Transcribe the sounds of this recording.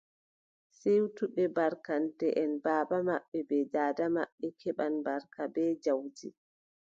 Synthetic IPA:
sejutuɓɛbaɾkantɛʔɛnbaːbamaɓːɛbɛdaːdama̰ɓːɛkʰɛɓanbaɾkabɛd͡ʒawd͡ʒi

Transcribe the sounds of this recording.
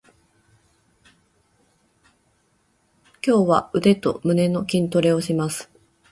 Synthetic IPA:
kʲo̞ːβaɯ̟d̪e̞t̪o̞̰mɯ̟ne̞no̞kʲĩnt̪o̞ɾe̞o̞ɕimasɨ̥

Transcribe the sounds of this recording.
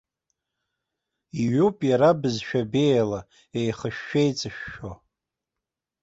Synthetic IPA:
iɥupʼjaɾabɨzʃᶣabejla | ejχəʃᶣːejt͡sʼɨʃᶣːo

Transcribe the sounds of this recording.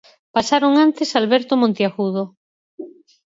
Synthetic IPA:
pasaɾoŋant̪esalβeɾt̪omõnt̪jaxuðo

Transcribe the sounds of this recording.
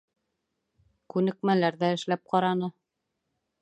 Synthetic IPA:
kʉnɘ̆kmælæɾðæɘ̆ʃlæp̚qɑɾɑnɤ

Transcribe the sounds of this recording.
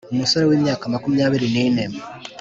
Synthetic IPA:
umuso̞ɾe̞wiːmɲaːkamakumiɲaːβiɾinineme

